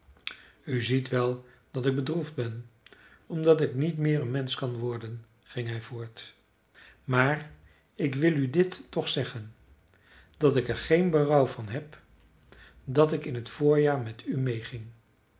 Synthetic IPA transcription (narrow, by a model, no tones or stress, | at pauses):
yzitʋɛlˠ | d̥ɑtɪɡ̚bədrufd̚bɛn | ɔmdɑtɪknitmɪːɹənmɛnskɑnʋɔɹdən | χɪŋɦɛjvʊːɹt | maːr | ɪkʋɪlˠydɪtːɔχsɛχən | d̥ɑtɪkɛɹχejnbərɑwvɑnɦɛp | dɑtɪkɪnɦətfʊːɹjaːɹmɛtʰymejχɪŋ